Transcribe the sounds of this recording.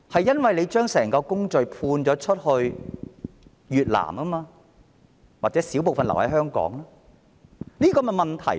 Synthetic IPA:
hɐ˨jːɐ˥nwɐ˨jle˨˧jt͡ʃœː˥ŋsɛː˨˩ŋkɔː˧kʊ˥ŋt͡ʃɵ˨ɥpʰuː˧nt͡ʃɔː˨˥t͡ʃʰɵ˥t̚hɵ˧ɥ | jyː˨t̚la̰ː˨˩mkɐ˥maː˧ | waː˨k̚t͡sɛː˨˥siː˨˥wpo˨wfɐ˨nlɐ˨˩whɐ˨˦jɦœː˥ŋkɔ̰ː˨˥ŋlaː˥ | niː˥kɔː˧mɛ˧mɐ˨˩nt̪ʰɐ̰˨˩

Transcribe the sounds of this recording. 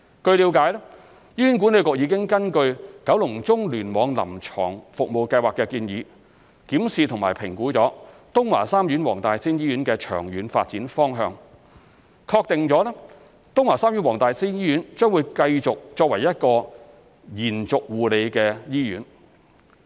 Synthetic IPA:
kɵ˧ɥli˨˧˥wkaː˨˥jlɛː˥ | jiː˥y˨˥nk̬u˨˥ne˨˧wkʊ˨˧k̚jiː˨˧kɪ˥ŋkɐ˥nkɵ˧ɥkɐ˨˥wlʊ˨˩ŋt͡sʊ˥ŋlyː˨˩nmɔː˨˧ŋlɐ̰˨˩mt͡ʃʰɔ̰ː˨˩ŋfʊ˨k̚mo˨wkɐ˧jwaː˨˩kːɛ˧kiː˧njiː˨˧ | kiː˨˥msiː˨t̪ʰʊ˨ŋmaː˨˩jpʰɪ˨˩ŋkuː˨˥t͡sɔː˨˥t̪ʊ˥ŋwa̰ː˨˩saː˥mjy˨˥nwɔː˨˩ŋt̪aː˨jsiː˥njiː˥jyː˨˥nkɛː˧t͡ʃʰœː˨˩ŋjyː˨˥nfa̰ː˧t̚t͡siː˨˥nfɔː˥ŋɦœː˧ŋ | kʰɔː˧k̚t̪ɪ˨ŋt͡sɔː˨˥lɛ˥ | t̪ʊ˥ŋwaː˨˩saː˥mjyː˨˥nwɔː˨˩ŋt̪aː˨jsiː˥njiː˥jyː˨˥nt͡ʃœː˥ŋwuː˨˧jkɐ˧jt͡sʊ˨k̚t͡ʃɔː˧k̚wɐ˨˩jɐ˥t̚kɔː˧ | jiː˨˩nt͡sʊ˨k̚wuː˨le˨˧jkɛː˧jiː˥jy̰ː˨˥n

